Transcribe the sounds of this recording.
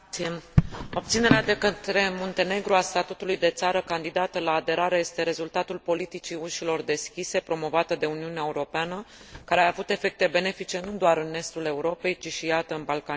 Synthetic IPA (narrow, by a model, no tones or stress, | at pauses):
o̞b̚t̪sine̞ɾead̪e̞kət̪ɾe̞mont̪e̞ne̞ɡɾuast̪at̪ut̪ulujd̪e̞t̪saɾəkand̪id̪at̪əlaːd̪e̞ɾaɾe̞je̞st̪e̞ɾe̞zult̪at̪ulpo̞lit̪it͡ʃiuʃilo̞rd̪e̞skʲise̞pɾo̞mo̞vat̪əd̪e̞uniuneaeuɾo̞peanə | kaɾeaːvut̪e̞fe̞k̚t̪e̞be̞ne̞fit͡ʃe̞nud̪oaɾɨne̞st̪ule̞uɾo̞pe̞jt͡ʃiʃijat̪əɨnbalkan